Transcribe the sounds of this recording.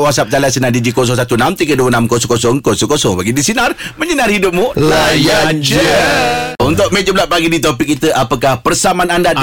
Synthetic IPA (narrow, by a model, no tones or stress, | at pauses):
wasap̚d͡ʒalajsənadid͡ʒikos̬ɔŋs̬at̪unamt̪iɡəduwənamkosɔŋkosɔŋkosɔŋkosɔŋpaɡidisinarməɲənarhidʊp̚mulajand͡ʒə | unt̪ʊʔ̚med͡ʒəblaʔ̚paɡidit̪̬opikːit̪əʔapəkahpərsamananda